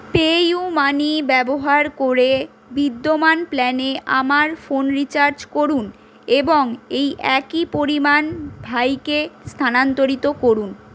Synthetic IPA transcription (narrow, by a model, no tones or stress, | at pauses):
pejumanibɛboɦaɾkoɾe | bid̪ːomanplɛneʔamaɾfonɾit͡ɕaɾt͡ɕkoɾun | eboŋejʔɛkipoɾimanbʱajkest̪ʰanant̪oɾit̪okoɾun